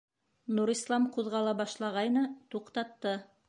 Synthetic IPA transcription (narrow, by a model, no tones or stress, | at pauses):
nuɾislˠɑmquðʁɑlˠɑbɑʃlˠɑʁɑjnɤt̪uqt̪ɑt̪ːɤ